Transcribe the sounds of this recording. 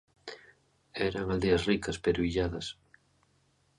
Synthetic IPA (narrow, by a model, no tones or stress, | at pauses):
ɛɾaŋald̪eɐsrikɐspeɾoiʎaðɐs